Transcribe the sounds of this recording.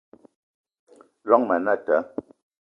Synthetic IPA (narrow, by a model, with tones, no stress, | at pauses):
lɔ˦ŋmə˨na˦˨tə˨˦